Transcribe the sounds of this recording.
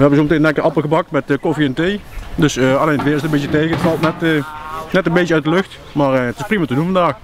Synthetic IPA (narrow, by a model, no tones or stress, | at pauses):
ʋəɦɛbənzowmətenɛkərʔɑpəlˠɣəbɑk̚tmɛtəkofiɛntejdøsəɑlejnətʋɪːɾɪstəmbɪtjətejɣəətfɑlˠtnɛtənɛtənbejtjəœɥ̚dəløxt | maːrəətɪsprimatədunvɑndaːx